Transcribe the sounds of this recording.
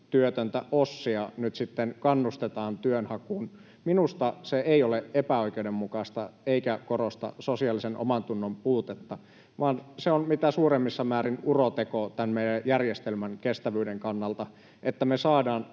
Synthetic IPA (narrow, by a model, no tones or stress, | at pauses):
t̪yøt̪ønt̪æ̰ʔosːiɑnyt̪sit̪ːenkɑnːust̪et̪ɑːnt̪yønhɑkuːn | minust̪ɑseeioleʔepæoikeudemmukɑst̪ɑeikækorost̪ɑ̰sosiɑlːisenʔo̰mɑnt̪unːompuːt̪et̪ːɑ | ʋɑːnseonmit̪æsuːremːisːɑmæːɾinurot̪ekot̪ænmeidæjjærjest̪elmænkest̪æʋyːdeŋkɑnːɑlt̪ɑ | ʔet̪ːæmesɑːdɑːn